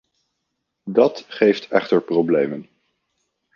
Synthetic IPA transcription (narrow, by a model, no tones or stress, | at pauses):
dɑtχejftɛ̰χtəɹprowblejmən